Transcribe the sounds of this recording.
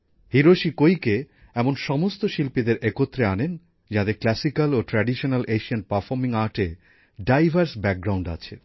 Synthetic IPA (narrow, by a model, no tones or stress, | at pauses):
hiɾoʃikojke | ɛmonʃɔmost̪oʃilpid̪eɾʔekot̪ːɾeanen | d͡ʑad̪eɾklɛsikaloʈɾaɖiʃonalʔeʃianpaɾfɔɾmiŋaɾʈe | ɖajbʱaɾsbɛk̚ɡɾawɳɖa̰t͡ɕʰḛ